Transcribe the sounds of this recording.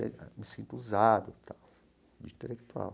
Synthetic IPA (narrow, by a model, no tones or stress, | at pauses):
ɛ̰misent̪uzad̪ut̪a | d̪int̪elːekt̪ua̰l